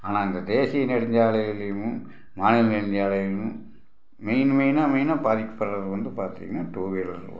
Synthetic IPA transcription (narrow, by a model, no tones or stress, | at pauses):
aːnaːɪnd̪ɐd̪eːsɪjɐnɛɽɐɲd͡ʒaːɭɐjɪlɐjɯmɯ | maːnɪlnɛɽɐɲd͡ʒaːlɐjɪmɯ̃ | mɛɪnmɐɪnaːmɐɪnaːbaːðɪkːɐ̥pːɐɾɾɐðɯʋɐnd̪ɯpaːɾt̪ḭːŋɡɐaːʈuːʋeːlɐɾkː